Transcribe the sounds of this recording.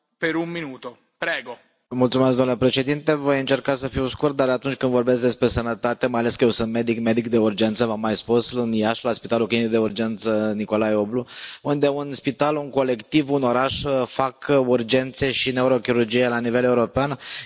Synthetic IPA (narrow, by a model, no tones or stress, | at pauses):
peɾumminut̪o | pɾeɡo | mult̪sumesɡd̪omnlepɾe̞ʃe̞d̪int̪e̞vo̞jɨnt͡ʃe̞rkasəfiwskurt̪̚d̪aɾat̪unt͡ʃʲkɨnd̪vo̞rbe̞sk̚d̪e̞spɾe̞sənət̪at̪e̞majale̞skəjewsɨnt̪̚me̞d̪ikme̞d̪ikd̪e̞urd͡ʒe̞nt̪səvamːajspusɨnjaʃlaspit̪alukinikd̪e̞urd͡ʒe̞nt̪səniko̞lajobluund̪e̞unspit̪aluŋko̞le̞kt̪ivuno̞ɾaʃfakurd͡ʒe̞nt̪se̞ʃine̞uɾo̞kʲiɾurd͡ʒijelanive̞leuɾo̞pean